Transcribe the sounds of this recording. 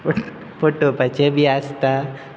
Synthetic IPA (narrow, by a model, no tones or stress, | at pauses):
poʈopɐt͡ʃebʱiaːst̪a